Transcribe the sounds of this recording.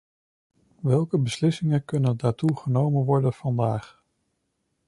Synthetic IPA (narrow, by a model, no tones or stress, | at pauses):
ʋɛlˠkəbəslɪsɪŋənkɵnəndaːɹtuχənowmənʋɔɹdənv̥ɑndaːχ